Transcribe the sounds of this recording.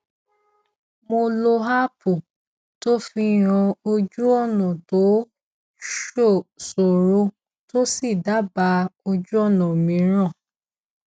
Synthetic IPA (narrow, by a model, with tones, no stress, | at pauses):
mo˧lo˧ɦa˦pu˨ | to˦fi˧ɾ̃ɔ̃˧o˧d͡ʒu˦ɔ˦˨nã˨to˨˦ | ʃo˦˨so˨ɾo˨˧ | to˦si˦˨da˨˦ba˧˦o˧d͡ʒu˦ɔ˦˨nã˨mĩ˨˦ɾ̃ã˦˨